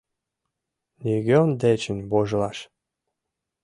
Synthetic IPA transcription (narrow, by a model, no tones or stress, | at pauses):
nʲiɣʲøond̪et͡ɕənʲboʒlɑʃ